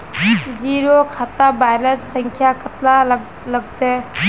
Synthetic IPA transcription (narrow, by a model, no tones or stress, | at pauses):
d͡ʒiɾokʰat̪abajlənssəŋkʰjakət̪la | ləɡ̚d̪e